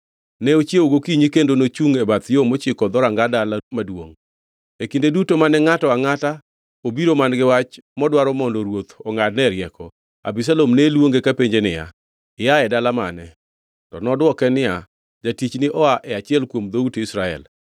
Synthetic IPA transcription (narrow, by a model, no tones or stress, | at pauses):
nɛot͡ʃjeoɡokiɲikendonot͡ʃuŋɛbat̪jomot͡ʃɪkɔd̪ɔɾaŋɡadalamadwo̰ŋ | ekindedutomanɛŋatɔaŋata | obiɾomanɡɪwat͡ʃmɔdwaɾɔmɔndoɾwot̪ɔŋadnɛɾjɛkɔ | a̰bis̬alomnelwoŋɡekapeɲd͡ʒenɪja̰ | ɪjaɛdalama̰nɛ | tɔnɔdwɔkɛnɪja | d͡ʒatit͡ʃnɪʔɔaʔɛat͡ʃɪɛlkwomd̪outɪsɾaɛ̰l